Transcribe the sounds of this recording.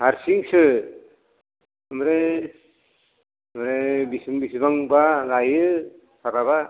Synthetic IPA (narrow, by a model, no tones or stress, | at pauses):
haɾsiŋsɯ | ɯmɾe | mɾebisɯŋbisɯbaŋbalajɯ | sʰaɾaβa